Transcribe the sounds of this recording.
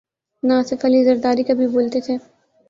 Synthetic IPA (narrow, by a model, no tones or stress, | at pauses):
naːsɪfɐlizɐɾd̪aːɾikɐbʱiboːlt̪et̪ʰeː